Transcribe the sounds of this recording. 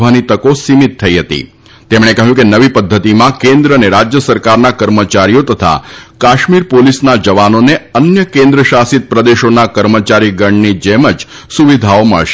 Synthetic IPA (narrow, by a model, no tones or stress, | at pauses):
ʋanit̪əkosimit̪ʰːəiɦət̪ḭ | t̪emɽ̃ekəɦjũkenəʋipəd̪ʱːət̪imãkẽnd̪ɾəəneɾad͡ʒjəsəɾkaɾnakəɾmət͡ʃaɾijot̪ət̪ʰa̰kaʃmiɾpolisnad͡ʒəʋanoneənjəkẽnd̪ɾəʃasit̪̚pɾəd̪eʃonakəɾmət͡ʃaɾiɡəɳnid͡ʒɛməd͡ʒ | suʋid̪ʱaomə̰ɭʃe